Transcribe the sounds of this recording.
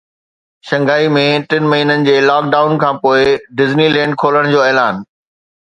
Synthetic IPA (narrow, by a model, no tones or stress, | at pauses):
ʃɐ̃ŋɡaːimẽʈɪnmɐɦiːnənɪ̆d͡ʑeːlaːk̚ɖaːʊnkʰãːpoːɪɖɪznilɛ̃ːɳɖ̚kʰoːləɽ̃d͡ʑoːɛːlaːn